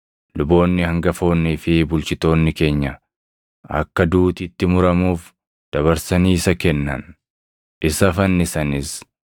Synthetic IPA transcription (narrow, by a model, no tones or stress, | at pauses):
lʊbo̞ːnːɪhɐŋɡɐfo̞ːnːifɪbʊlt͡ʃɪt̪o̞ːnːɪke̞ːɲːɐ | ɐ̰kːɐd̪uːt̪iːt̪ːɪmʊɾɐmuːf | d̪̥ɐβɐɾsɐniːsɐkɛnːɐ̰n | ɪsɐfɐnːɪsɐnɪs